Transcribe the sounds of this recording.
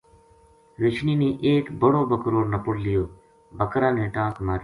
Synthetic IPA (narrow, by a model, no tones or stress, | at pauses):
ʋɪt͡ʃʰniːnĩːʔeːkbəɽoːbəkɾoːɾnəpʊɽlɪjoː | bəkɾãːnẽːʈãːkmaːɾ